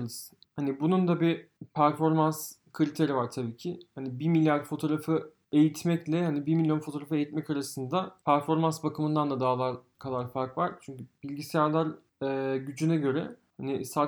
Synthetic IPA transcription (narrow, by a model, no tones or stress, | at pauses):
lɯz | hanibunund̪abipʰæɾfo̞ɾmanskʰɯɾʲit̪ʰe̞ɾivaɾt̪ʰabiːcʰɪhanibimilʲjaɾfo̞t̪ʰo̞ɾafɯ | e̞jit̪ʰmɛclʲɛhanibiɾmilʲjo̞nfo̞t̪oɾafɯe̞jit̪mɛcaɾasɯnd̪apʰæɾfo̞ɾmansbakʰɯmɯnd̪and̪ad̪aːlˠaɾ | kʰalˠaɾfaɾkvaɾt͡ʃʰyɲcyb̥ilʲɟisɛjaɾlˠaɾ | ɛːɟyd͡ʒynɛɟø̞ɾɛ̰hanɪsa